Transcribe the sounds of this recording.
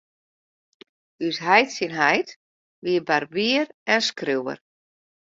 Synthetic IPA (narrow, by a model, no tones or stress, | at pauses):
ysɦɛjtsinɦɛjt | ʋiəbarbiərɛnskriwə̰r